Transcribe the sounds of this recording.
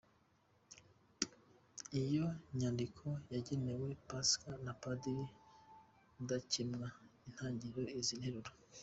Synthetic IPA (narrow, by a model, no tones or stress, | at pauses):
ijo̞ɲandikʰo̞jaɟene̞we̞paskanapadiɾi | udacimŋain̥haːɲɟiɾo̞izinheɾuɾo